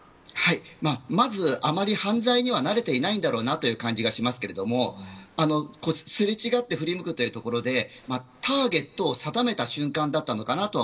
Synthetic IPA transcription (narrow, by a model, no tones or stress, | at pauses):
haimaːmazɨamaɾʲihãnd͡zaiɲ̟iβanaɾe̞t̪e̞inaĩnd̪aɾo̞ːnat̪o̞jɯ̟ːkãɲ̟d͡ʑiɡaɕimasɨ̥ke̞ɾe̞d̪o̞mo̞ano̞ko̞ːsɨɾet͡ɕiɡat̪ːe̞ɸɯ̟ɾʲimɯ̟kɯ̟t̪o̞jiɯ̟ːt̪o̞ko̞ɾo̞d̪e̞ | mat̪ʰaːɡe̞t̪ːo̞ːsad̪ame̞t̪aɕɨ̃ŋkãnd̪at̪ːano̞kanat̪o̞